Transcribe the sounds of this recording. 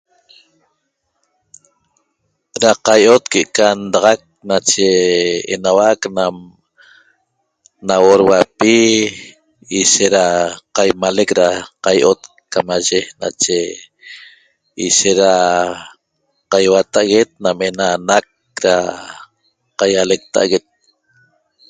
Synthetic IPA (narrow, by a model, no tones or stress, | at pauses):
ɾaqajʔot̪keʔekand̪ɑʁɑk̚nat͡ʃeḛnawaknam | nawoɾwapi | iʃeɾaqajmalekɾaqajʔot̪ | kamaʒena̰t͡ʃe | iʃeɾa | qajwat̪aʔaɣet̪̚namenanak̚ | ɾa | qajalek̚t̪a̰ʔaɣet̪̚